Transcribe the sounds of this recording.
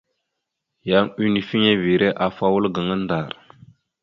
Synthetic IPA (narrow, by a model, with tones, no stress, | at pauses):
ja˦ŋi˦ni˨fi˦ŋe˦vi˨ɾe˦ʔa˨fa˦wu˦lɡə˨ŋə˦nda˨ɾ